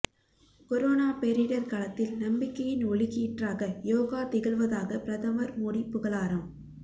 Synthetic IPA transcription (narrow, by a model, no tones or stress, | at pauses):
kɔɾoːnaːpɛɾɪɽɐɾkɐɭɐt̪ːɪlnɐmbɪkːɐjɪnɔɭɪɣiʈraːɣɐjoːɣaːt̪ɪɣɐɭʋɐðaːɣɐpɪɾɐðɐmɐɾmɔɽipːʊɣɐɭaːɾɐm